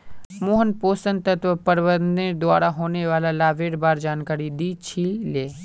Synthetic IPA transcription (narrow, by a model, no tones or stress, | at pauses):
moːɦənpoːsənt̪ət̪ʋəpəɾʋəɾnd̪ẽd̪ʊaːɾaɦoːneʋaːlalaːʋeːɽbaːɾd͡ʒaːnkaːɾid̪iːt͡ʃʰileː